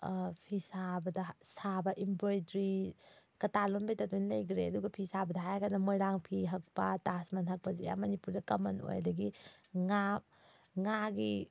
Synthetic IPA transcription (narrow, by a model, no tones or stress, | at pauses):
pʰisabɐdɐsabɐʔimbɾojdɾikɐtalombejtɐtunlɐjɡʰɾeɐduɡɐpʰisabɐdɐɦajɡanɐmojɾaŋpʰiɦɐk̚pɐtasmɐnɦɐk̚pɐzeja̰mɐnipuɾdɐkɐmɐno̰jɐ̰dɐɡiŋap̚ | ŋaɡi